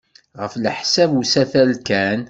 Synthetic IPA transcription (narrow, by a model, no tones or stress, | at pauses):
ʁəflħsævusæθælkæn